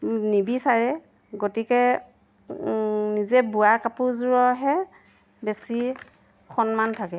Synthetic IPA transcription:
nibisaɹɛ | ɡotikɛ | nizɛbuakapuzuɹɔɦɛ | besi | xɔnmantʰakɛ

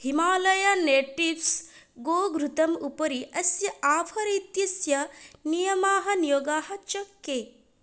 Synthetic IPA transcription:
himaːlɐjɐneːʈifs | ɡoːɡɾut̪ɐmupɐɾiɐsjɐaːpʰɐɾit̪jɐsjɐnijɐmaːɦɐnijoːɡaːɦɐt͡ʃɐkːeː

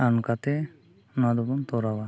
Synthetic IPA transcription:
ankat̪ɛ | nad̪ɔbɔnt̪ɔɾaba

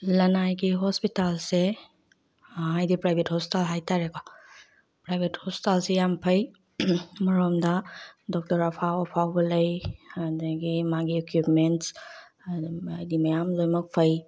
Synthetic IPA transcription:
lɐnajɡiɦɔspitalse | ajdipɾajbʱethɔsi̥talɦajtaɾekɔ | pɾajbʱethɔspi̥talsejampʰɐj | mɐɾomdɐdɔk̚tɐɾapʰawapʰawɡɐlɐjɐdɐɡimaɡiekupments | ɐjdimɐjamlojmɐk̚pʰɐj

